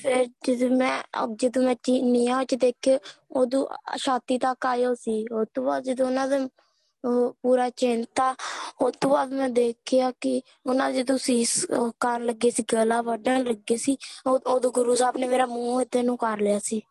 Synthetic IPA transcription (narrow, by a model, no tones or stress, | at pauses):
pʰɪɾd͡ʒəd̪oːmɛ̰̃ːd͡ʒəd̪õːmɛ̃ːt͡ʃiːniːãːot͡ʃd̪eːkʰeːoːd̪õːʃaːt̪iːt̪akːaːjoːsiːot̪ːõːbaːd̪d͡ʒəd̪õːʊnãːd̪eː | puːɾaːt͡ʃent̪aːoːt̪ʰːõːbaːd̪mɛ̃ːd̪eːkʰejaːkɪ | ʊnãːd͡ʒəd̪õːsiːskəɾləɡeːsiːɡəlaːʋəɖãːləɡeːsiːoːd̪õːɡʊɾuːsaːpneːmeːɾaːmũːɪt̪ːeːnũːkəɾlɪjaːsiː